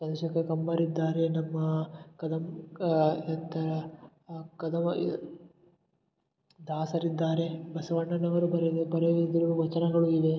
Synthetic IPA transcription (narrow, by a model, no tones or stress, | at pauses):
sɐd̪ɐʃɐkekɐmbɐɾid̪ːaːɾe̞nɐmːɐkɐd̪ʱɐm | ɐt̪ːɐɾ | kɐd̪ɐm | d̪aːsɐɾid̪ːaːɾe̞bɐsɐʋɐɳːɐɳːɐʋɐɾubɐɾed̪ebɐɾeʋid̪iɾɐuʋɐt͡ʃɐnɐɡɐɭuid̪e̞